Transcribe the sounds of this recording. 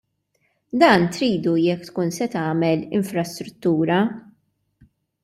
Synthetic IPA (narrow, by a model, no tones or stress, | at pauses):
d̪ɐːnt̪ɾiːd̪ujɛkːt̪kuːnsɛt̪ɐːmɛlɪɱfɾɐst̪ɾʊt̪ːuːɾɐ